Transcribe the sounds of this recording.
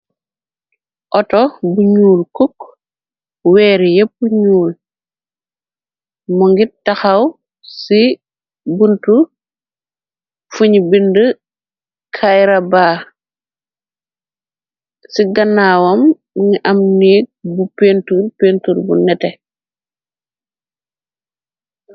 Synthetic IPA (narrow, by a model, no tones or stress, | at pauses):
ʔɔtɔbuɲuːlkuk | wɛːɾjep̚ːuɲuːl | mɔŋɡitɐxaw | si | buntu | fuɲbində | kʰajɾabaː | siɡɐnːaːwɔm | ŋiʔɐmniːɡ̚bupeːntuɾpentuɾbṵnɛtɛ